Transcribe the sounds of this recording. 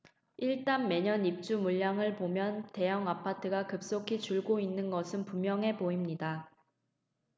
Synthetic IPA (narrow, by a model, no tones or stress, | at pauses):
iɭt͈anme̞ɲʌnip̚t͡ɕ͈umuʎːaŋɯɭpomjʌnte̞jʌŋapʰatʰɯɡakɯp̚s͈okʰit͡ɕuɭɡoinːɯnɡʌsʰɯnpumjʌŋɦe̞poimɲida